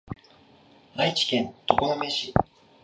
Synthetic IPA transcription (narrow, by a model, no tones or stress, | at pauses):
ait͡ɕi̥kẽ̞nt̪okonome̞ɕi